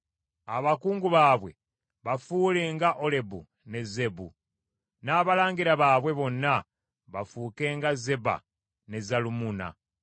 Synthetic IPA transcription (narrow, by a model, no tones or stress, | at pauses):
aβakuːŋɡuβaːβwe̞̰ | βafuːleːŋɡaʔo̞le̞bu | ne̞ze̞bṵ | naːβalaːŋɡiɾaβaːβwe̞βo̞nːa | βafuːke̞ːŋɡaze̞ba̰ | ne̞zalumuna̰